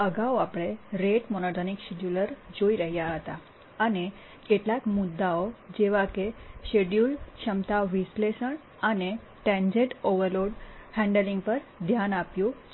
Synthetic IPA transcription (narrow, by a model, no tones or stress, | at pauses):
əɡawapɽ̃eɾeʈmɔnoʈanikɕeɖjuləɾd͡ʑoiɾəɦijaɦət̪a | ane | keʈlat̪mud̪ːaod͡ʑeʋakeɕeɖjulɕəmt̪aʋislesəɳ | ane | ʈɛ̃ɲd͡ʑeʈoʋəɾloɽhɛ̃ɳɖəliŋɡ̚pəɾd̪ʱjanapju